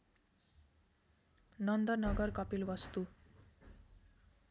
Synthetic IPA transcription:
nʌnd̪ʌrnʌɡʌrkʌpilʋʌst̪u

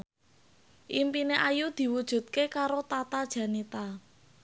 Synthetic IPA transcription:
ʔimpineʔajud̪̥i̤wud̥ʒ̥ṳt̪̚kekaɾot̪at̪ad̥ʒ̥ä̤nit̪a

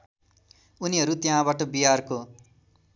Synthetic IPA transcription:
uniɦʌɾut̪jãbaʈʌbiɦarko

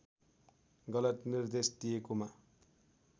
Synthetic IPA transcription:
ɡʌlʌt̪nird̪esd̪ijekoma

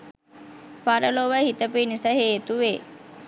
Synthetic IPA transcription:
paɾəloʋəhit̪əpinisaɦeːt̪uʋe

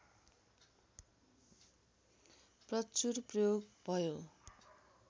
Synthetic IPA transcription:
prʌt͡surprʌjoɡbʱʌjo

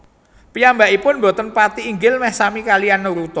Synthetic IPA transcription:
pijambaʔipʊnmbo̤t̪ənpat̪iːŋɡɪlmɛhsamikalianːuɾut̪ɔ

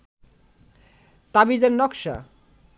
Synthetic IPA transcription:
t̪abizannɔkʃa̰

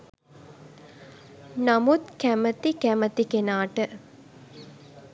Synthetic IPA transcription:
namut̪kæmət̪ikæmət̪ikenaːʈə

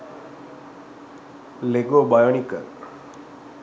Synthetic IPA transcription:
leɡobajoɳ̃ikə̰ɾ

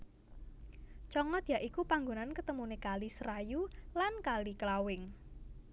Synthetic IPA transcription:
t͡ʃɔŋɔt̪jaʔikupaŋɡonankət̪əmunekalisɾajulankaliklawɪŋ

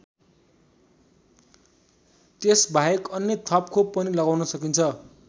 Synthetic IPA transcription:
t̪esbʱajekʌnːet̪ʰʌpkopːʌnilʌɡawnʌsʌkint͡sʰʌ

